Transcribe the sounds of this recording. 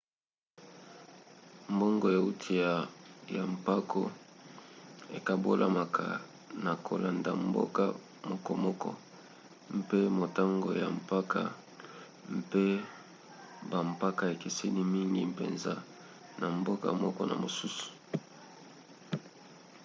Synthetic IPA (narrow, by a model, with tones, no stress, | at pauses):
m̩bo˦ŋɡo˨ja˨u˦tʰi˨ja˨ja˨mpa˦kʰo˦ | ḛ˨ka˨bo˦lʔa˦ma˨kʰa̰˨ | na˨kʰo˨la˨nda˨mbo̰˦ka˦ | mɔ˦kɔ˦mɔ˦kɔ̰˦ | m̩˦pe˦mo˨ta˦ŋɡo˨ja˨mpa˦ka̰˨ | m̩˦pe˦ | ba˨m˨pa˦ka˦˨e˨ke˨se˦ni˦mi˦ŋɡi˦pḛ˨nza˦ | na˨mbo˦ka̰˨mɔ̰˦kɔ˦na̰˨mo˨su˦su̥˨